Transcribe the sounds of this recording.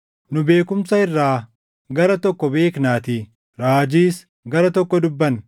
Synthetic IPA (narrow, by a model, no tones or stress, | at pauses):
nʊbe̞ːkʊmsɐɪrːaː | ɡɐɾɐt̪ɔkːɔbe̞ːknaːt̪i | ɾaːd͡ʒiːs | ɡɐɾɐt̪ɔkːɔd̪ʊbːɐn